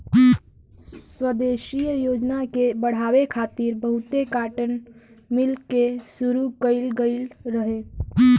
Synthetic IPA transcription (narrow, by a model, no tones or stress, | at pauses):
swəd̪eːʃijjoːd͡ʒnakebəɽ̤aːwekʰaːt̪iɾbəɦʊt̪ekaːʈən | mɪlkesuɾukəɪlɡəɪlɾəɦe